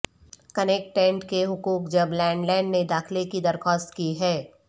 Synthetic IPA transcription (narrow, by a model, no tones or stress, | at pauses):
kɐnek̚ʈːɛ̃ɳʈkeɦʊkuːkd͡ʒɐblɛ̃ːɳɖlɛ̃ːɪɳɖned̪aːxlekid̪ɐɾxɔːst̪kiɦɛː